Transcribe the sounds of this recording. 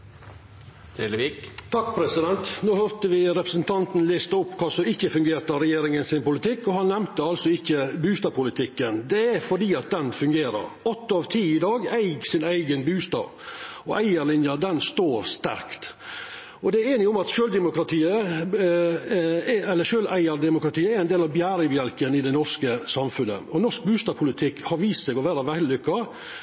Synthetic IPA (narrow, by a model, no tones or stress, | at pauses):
d̪̥ɛləʋikt̪ʰɑkpʰɾɛsɪd̪ɛnt̪noːhøɾt̪əʋɪɾɛpɾəsn̩t̪ʰɑnt̪nlest̪əʊpːkʰɑːsɔɪçːəfʉŋɡeːɾt̪ɑɾɛjeːɾɪŋənsɪnpʊlɪt̪ʰɪkːɔhɑnːɛmt̪əɑlsɔɪçːəbʉːst̪ɑːpʰʊlɪt̪ʰɪkːənd̪ɛæɾfɔɖiːɑt̪̚d̪ɛnfʉŋɡeːɾə̰ɾɔt̪ːɑːʋt̪ʰiːɪd̪ɑːɡæɪɡsɪnæɪɡənbʉːst̪ɑ̰ː | ɔʔæɪəɾlɪnjɑd̪ɛnst̪oːɾst̪æ̰ɾkt̪ | ɔd̪ɛæɾeːnɪʊmɑt̪ʃøːld̪ɛmʊkɾɑt̪ʰiːə | ɛɛlːəʂøːlʔæɪəɾd̪ɛmʊkɾɑt̪ʰiːəæɾæɪnd̪eːlɑʋbjæːɾəbjɛlkənɪd̪ɛnɔʂkəsɑmfʉnə̰ɔnɔʂk̚bʉːst̪ɑːpʰʊlɪt̪ʰɪkhɑɾʋiːst̪sɛːɡɔʋæːɾɑʋællʏkːɑ